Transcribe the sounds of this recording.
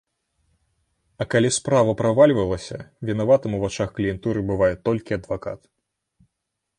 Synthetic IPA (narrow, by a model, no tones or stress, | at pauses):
ɐkalʲispɾavɐpɾavalʲvɐlˠɐsʲɐ̰vʲinavat̪ɨmuvat͡ʂaxklʲijɛnt̪uɾɨbɨvajɛt̪ɔlʲkʲiɐd̪vaka̰t̪